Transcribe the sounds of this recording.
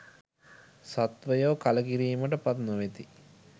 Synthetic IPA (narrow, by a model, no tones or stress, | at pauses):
sat̪ʋəjoːkaləkiɾiːməʈəpat̪noʋet̪i